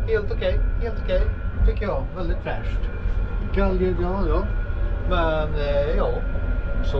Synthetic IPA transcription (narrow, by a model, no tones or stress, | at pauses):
heːlt̪ʊkʰɛɪheːlt̪okʰɛɪt̪ʰʏkːəjɑʋɛld̪ɪt̪fɾæ̰ːʂʈɪkːəɛld̪ɪɡ̪ɑːlɑmɛnjɑːsɔ